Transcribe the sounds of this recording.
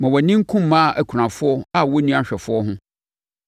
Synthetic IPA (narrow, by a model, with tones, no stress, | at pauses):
mã˨wɔ˨nĩ˦ŋ̩˦kʰũ˦m̩ː˦ã˦˨ʔæ˨kʰɾã˨fʊ˦ɔ˦a˦wɔ˦nĩ˦a˦ɕᶣɛ˨fʊ˦ɔ˦ɦʊ̃˦